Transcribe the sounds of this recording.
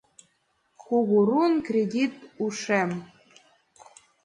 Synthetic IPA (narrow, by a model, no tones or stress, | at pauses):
xuɣuɾunkrʲedʲit̪uʂɛm